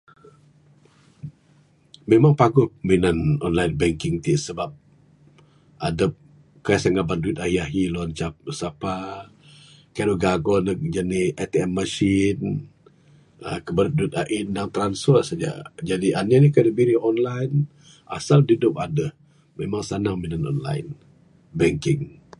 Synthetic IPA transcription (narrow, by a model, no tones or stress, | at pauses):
memaŋpaɡʊminanɔ̰nlajnbɛŋkɪŋt̪iʔsəbap̚ | ʔadəp̚ | kaasaŋɡabanduɪt̪̚ahiaɦiluant͡ʃasapa | kaɾoɡaɡɔnəkd͡ʒaniɛt̪eɛmːəʃin | əkəbəɾʊt̪̚duɪt̪̚aʔindaŋt̪ɾansfərsad͡ʒa̰d͡ʒadiʔananikadəbiɾiɔnlan | ʔa̰saldudʊp̚adəh | memaŋsanaŋminanɔ̰nla̰jn | bɛŋkɪŋ